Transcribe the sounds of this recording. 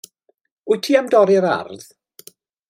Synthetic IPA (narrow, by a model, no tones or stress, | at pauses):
ʊjtʰiːamdɔɾɪɾa̰rð̥